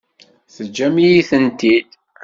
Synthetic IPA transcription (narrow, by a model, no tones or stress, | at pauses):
θəd͡ʒːæmijiθənt̪id̪